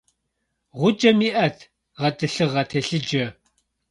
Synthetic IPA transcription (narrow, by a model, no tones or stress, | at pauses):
ʁʷʊd͡ʒɐmiʔɐtʰ | ʁɐtɨɬɨʁɐtʰeɬɨd͡ʒɐ